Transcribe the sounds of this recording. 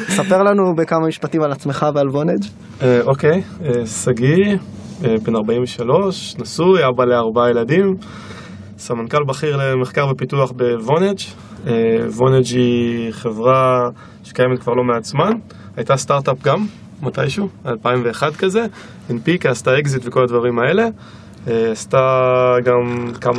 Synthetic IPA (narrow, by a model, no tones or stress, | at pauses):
nesapeʁlanubekamamiʃpatimalat͡smeχavealvoned͡ʒ | eʔo̞kejesaɡi | ebenaʁbaimveʃalo̞ʃnasujabaleaʁbajeladim | samankalbaχiʁle̞meχkaʁvepituaχbe̞vo̞ned͡ʒ | evo̞ned͡ʒiχevʁa | ʃe̥kajemet̪kvaʁlo̞meat͡sman | hajtastaʁtapɡamː | ata̰jʃualpaimveːχadkaze̞ | benpikeastaekzitveko̞lad̪vaʁimaele̞ | eastaɡamkam